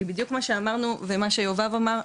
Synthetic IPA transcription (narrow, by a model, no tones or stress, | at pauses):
ibidjukmaʃeamaʁnuvemaʃejovavamaʁ